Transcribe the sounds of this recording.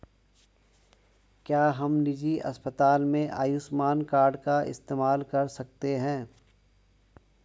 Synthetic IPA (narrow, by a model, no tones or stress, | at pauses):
kjaːɦɐmnɪd͡ʒiʔɐ̰spət̪aːlmẽʔa̰ːjʊsmaːnkaːɾɖkaɪ̰st̪eːmaːlkɐɾsɐk̚t̪eɦɛ̃ː